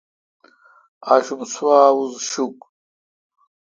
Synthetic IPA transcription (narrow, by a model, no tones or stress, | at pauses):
aɕumswaːwuzɕuk